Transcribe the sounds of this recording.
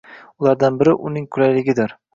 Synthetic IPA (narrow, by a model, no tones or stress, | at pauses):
ʊlˠaɾd̪anbɪɾɪʔʊnɪŋkʰʊlajlɪɡʲɪd̪ɪɾ